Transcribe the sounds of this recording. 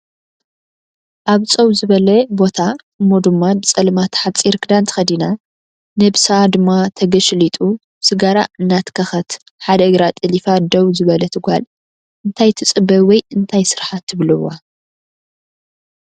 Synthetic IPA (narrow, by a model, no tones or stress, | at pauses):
ʔaβt͡sʼɐwzɨβɐlɐbo̞t̪ʰa | ɨmːod̪ɨmːabɨt͡sʼɐlmat̪ʰħat͡sʼiɾkʰɨd̪ant̪ʰɨ̥xɐd̪ina | nɐbsad̪ɨmːat̪ʰɐɡɐʃlit̪ʼu | bsɨɡaɾa̰ɨnːat̪kʰɐxɐt̪ | ħad̪ɐʔɨɡɾat̪ʼɨlifad̪ɐwzɨβɐlɐt̪ʰɨɡʷal | ʔɨnt̪ʰajt̪ʰɨt͡sʼɨbɐwɔjɨnt̪ʰajsɨɾħat̪ʰːɨβlɨwːa